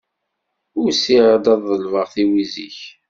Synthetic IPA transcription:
ʊɾsiʁəd̪ɑðˤːəlvəʁθiwizḭç

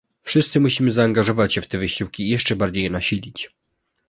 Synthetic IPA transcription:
fʂɘst̪sɘmuɕimɘzaːŋɡaʐɔvat͡ɕɕɛft̪ɛvɘɕiwkʲiːjɛʂt͡ʂɛbaɾd͡ʑejɛnaɕilʲit͡ɕ

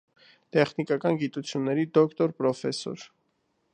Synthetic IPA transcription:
t̪ɛχnikɑkɑnɡit̪ut͡sʰjunːɛɾid̪ɔkʰt̪ɔɾpɾɔfɛsɔ̰ɾ

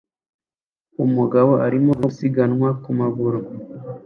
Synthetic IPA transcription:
umuɡaβoʔaɾimousiɡanwakumaβuɾo

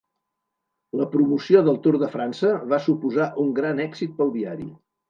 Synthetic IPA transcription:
ləpɾumusioðəlˠt̪uɾðəfɾansəβasupuzaʔuŋɡɾanɛkzit̪̚pəlˠðiaɾḭ

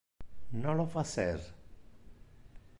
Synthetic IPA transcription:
nolofaseɾ

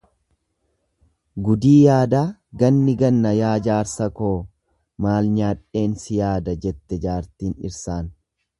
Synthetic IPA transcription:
ɡʊd̪iːjaːd̪aːɡɐnːɪɡɐnːɐjaːd͡ʒaːɾsɐkoː | maːlɲaːᶑe̞ːnsɪjaːd̪ɐd͡ʒɛt̪ːɛd͡ʒaːɾt̪iːnɪ̰ɾsaːn

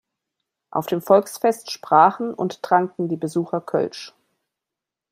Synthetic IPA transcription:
ʔa̰ʊfd̥eːmfɔlksfɛstʃpʁ̥aːχn̩ʊ̰ntd̥ʁ̥aŋtn̩diːbəzuːxɐkʰœ̰lt͡ʃ

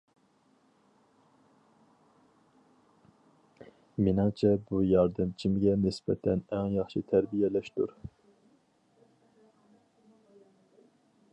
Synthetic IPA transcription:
minɑŋt͡ʃʰɛbujɑɾd̪ɨmt͡ʃʰimɡʲɛnisbɛ̰t̪ʰɛnɛŋjɑχʃit̪ʰæɾbijɛlɛʃt̪uɾ

